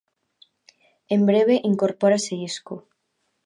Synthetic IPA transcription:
embɾeβeʔiŋkoɾpoɾaseisku

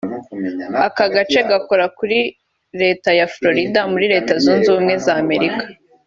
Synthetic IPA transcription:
akaɡat͡ʃe̞ɡako̞ɾakuɾi | ɾe̞ːtajafɾo̞ɾidamuɾiɾe̞ːtazuːnzuːmŋe̞zaːme̞ɾikḁ

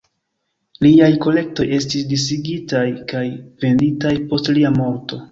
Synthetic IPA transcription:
liajko̞le̞k̚to̞je̞stisdis̬iɡitajkajve̞nditajpo̞stliamo̞ɾto̞

